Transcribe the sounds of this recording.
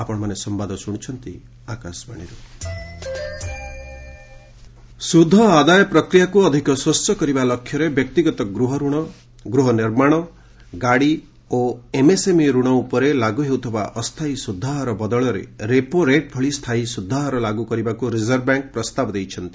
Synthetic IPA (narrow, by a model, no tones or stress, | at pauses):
apɔɽ̃ɔmanesɔmbad̪ʱɔsuɽ̃it͡ʃʰɔnt̪ḭ | akasbaɽ̃iɾu | sud̪ʱːɔad̪ajɔpɾɔkɾijakuɔd̪ʱikɔswɔst͡ʃɔkɔɾibalɔkʰjɔɾebjɔk̚t̪iɡɔt̪ɔɡɾuɦɔɾuɽ̃ɔ | ɡɾuɦɔniɾmaɽ̃ɔ | ɡaɽi | oemesemiɾuɽ̃ɔupɔɾelaɡuɦewt̪ʰɔbaʔɔst̪ʰaisud̪ʱːaɦɔɾɔbɔd̪ɔɭɔɾḛɾepoɾeʈ̚pʰɔɭist̪ʰaisud̪ʱːaɦɔɾɔlaɡukɔɾibakuɾizɔɾbjaŋk̚pɾɔst̪abɔd̪ejt͡ʃʰɔnt̪i̥